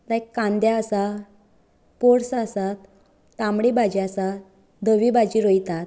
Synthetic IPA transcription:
t̪ãjkːãnd̪jaəsa | poɽsasat̪ː | ãmɽibad͡ʑiasa | d̪əʋibad͡ʑiɾojt̪at̪̚

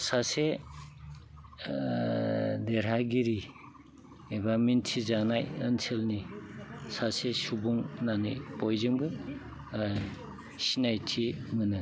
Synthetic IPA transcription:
sase | deɾɦaɡiɾi | ebamintʰizanajənselni | sasesubuŋnanḭpojzɯŋbɯ | sinajtʰimɯnɯ

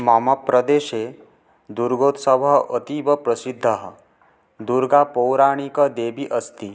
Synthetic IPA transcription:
mamapɾəd̪eʃe | d̪uɾɡot̪səbʱaət̪iʋəpɾəsid̪ʱːaɦ | d̪uɾɡapɔwɾaɽ̃ikəd̪ebiʔəst̪i

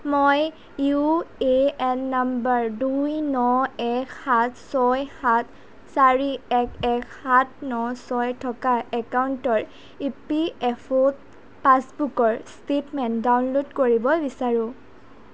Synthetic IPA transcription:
moj | jueɛnːambaɹdujnɔɛkʰhat̚ʰsɔjhat̚ʰ | saɹiɛkʰɛkʰhat̚ʰnɔsɔjtʰɔkaɛkauntɔɹ | ipiɛpʰot | pasbukɔɹstetmɛndawnlodkoɹibɔbisaɹʊ̃

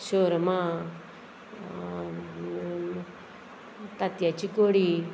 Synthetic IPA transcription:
ɕoɾmã | t̪at̪jat͡ɕikoɽi

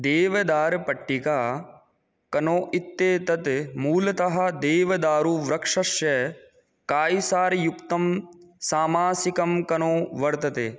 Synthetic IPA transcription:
d̪eːʋɐd̪aːɾpɐʈːikaː | kɐnoːʔit̪ːeːt̪ɐt̪muːlɐt̪ɐɦɐ̆d̪eːʋɐd̪aːɾuʋɾɐkʂɐʃjɐ | kaːjisaːɾjukt̪ɐmsaːmaːsikɐmkɐnoːʋɐɾt̪ɐt̪eː

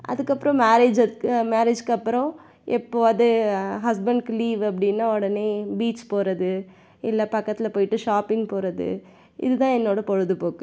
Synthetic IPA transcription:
ʔɐ̰ðɯkːɐpːɯɾɔ̃maːɾeːd͡ʒɐðɯkːmaːɾed͡ʒkːɐpːɯɾõ | ʔɛpːoːɐðɯɦɐs̬bɐɳɖkliːʋɐp̬ːɐɽɪnːaːɔɽɐneːbiːʈspoːɾɐðɯ | ɪlːɐpɐkːɐt̪ːɪlɐpoːjɪʈːɯʂaːpɪŋɡpoːɾɐðɯ̰ | ɪ̰ðɯt̪ãːɛnːoːɽɐpɔɻɯðɯpoːkɯ̃

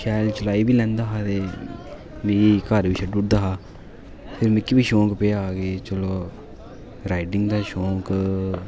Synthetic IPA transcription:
ʃaːlt͡ʃəlaːiːbiːlɛ̃ːnd̪aːɦaːt̪eː | mɛ̃ːjeːkaːɾbiːʃəɖuːʈ̚d̪aːɦaː | pʰɪɾmẽkːibiːʃõːkpeːaaːɡeːt͡ʃəloː | ɾaːɪʈɪŋɡd̪aːʃõːk

